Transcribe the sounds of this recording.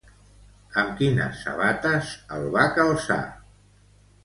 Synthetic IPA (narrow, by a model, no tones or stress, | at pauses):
əmkinə̰sːə̰βat̪əzəlˠβakəlˠsa̰